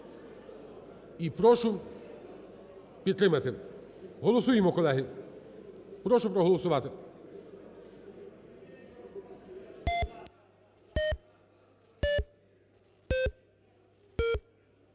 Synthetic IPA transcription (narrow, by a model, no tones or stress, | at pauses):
ipɾɔʃʊ | pʲit̪ːɾɪmɐt̪ɪ | ɦɔlˠɔsujɪmɔkɔlˠɛɦɪ | pɾɔʃʊpɾɔɦɔlˠɔsʊʋat̪ɪ